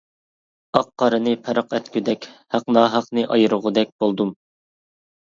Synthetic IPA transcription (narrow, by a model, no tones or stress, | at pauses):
ɑqːɑɾɨnɨpʰɛɾɑqɛt̪kʲyd̪ɛkʲhæqnɑːɦɑqnɨʔɑjɨɾɨʁʊd̪ɛk̚ʲb̥olˠd̪um